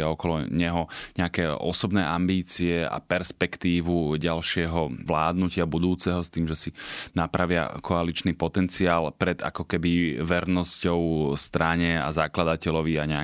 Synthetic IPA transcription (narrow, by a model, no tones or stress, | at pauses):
aɔkɔlɔɲɛɦɔɲɛakɛːɔ̰sɔbnɛːʔambiːt͡siɛa̰pɛɾspɛkt̪iːʋuɟalʃɪɛɦɔʋlaːd̪nucɪabud̪uːt͡sɛɦɔst̪iːmʒɛsinapɾaʋɪa̰kʰɔalit͡ʃnipɔt̪ɛnt͡siaːlpɾɛd̪a̰kɔkɛbiʋɛɾnɔscɔʊst̪ɾaɲɛa̰zaklad̪acɛlɔʋiaɲɛa